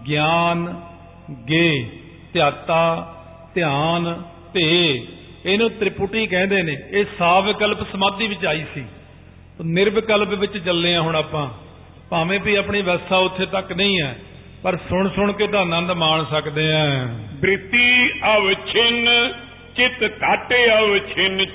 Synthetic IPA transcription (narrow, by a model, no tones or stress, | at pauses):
ɡjaːn | ɡeː | t̪ɪjaːt̪ːaː | t̪ɪjaːn | t̪e | eːnẽːt̪ɾɪpuʈiːkɛ̃ːnd̪eːneːeːsaːbkəlpsəmãːd̪iːʋɪt͡ʃaːiːsḭː | t̪oːnɪɾbkəlpʋɪt͡ʃt͡ʃəlːeːãːɦʊɳaːpãː | paːʋẽːpiːaːpɳiːʋɛːsaːʊt̪ʰːeːt̪əkːnəĩːɛː | pəɾsʊɳsʊɳkeːt̪ãːnə̃nd̪maːɳsəkd̪eːɛ̃ːbɾɪt̪ːiːəʋt͡ʃʰɪn | t͡ʃɪt̪kaːʈeːəʋt͡ʃʰɪn